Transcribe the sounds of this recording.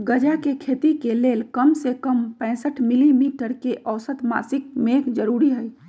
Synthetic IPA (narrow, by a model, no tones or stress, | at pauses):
ɡəd͡ʒakekʰeːt̪ikeleːlkəmsekəmpɛ̃ːsəʈʰmɪlimiːʈəɾkeʔəʊsət̪ma̰ːsɪk̚meːkd͡ʒəɾuːɾiɦɛi